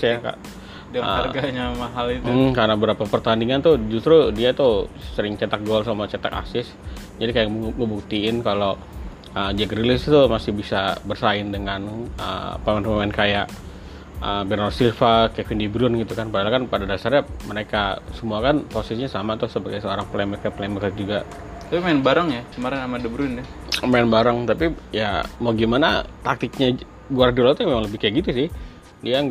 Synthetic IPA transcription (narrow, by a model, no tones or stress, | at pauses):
jaka̰ʔ | ə̰aɡaɲamaɦalitukaɾənabəɾapapərt̪andiŋant̪ʊd͡ʒust̪ɾudiat̪usəɾɪŋt͡ʃat̪ak̚ɡɔls̬amat͡ʃat̪a̰ka̰sɪs | d͡ʒadikajaŋəbuk̚t̪iɪnkalo | əd͡ʒiɛɡəɾilɪst̪umasɪhbisabərsaɪndəŋanə̰pamɛnpamɛnkajaʔ | ə̰bɛɾosilfakɛfindibɾʊnɡit̪ukanpadalakanpadadasarɲaməɾekasəmuakanposisiɲasamat̪ʊsəbaɡajsəoɾaŋpəlembəkpəlembəkat̪̚d͡ʒuɡa | t̪apimaɪnbaɾaŋjakəmaɾɪnamadəbɾʊndɛmaɛnbaɾaŋt̪apijamaɡimanat̪ak̚t̪ɪk̚ɲa | ɡuardulat̪ujamemaŋləbɪhkajaʔɡit̪usɪh | diaŋ